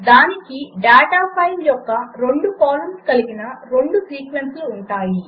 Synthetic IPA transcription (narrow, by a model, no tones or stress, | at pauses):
d̪aːnikiɖaːʈaːpʰɐjljɔkːɐɾe̞ɳɖukaːlɐnskɐliɡinɐɾe̞ɳɖusiːkʋensluːɳʈaːji